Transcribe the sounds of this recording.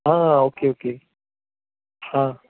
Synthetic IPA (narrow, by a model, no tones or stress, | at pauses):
ɦãːãoːkeoke | hãː